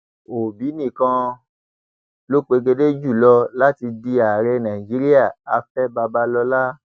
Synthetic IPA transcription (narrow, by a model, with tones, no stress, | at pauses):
o˨bi˨˦nĩ˦˨kã˧ | lo˦k͡pe˧ɡe˧de˦d͡ʒu˦˨lɔ˧la˦ti˧di˧a˨ɾɛ˧nã˨i˨d͡ʒi˨˦ɾi˦a˦˨a˧fɛ˦ba˧ba˧lɔ˧la˦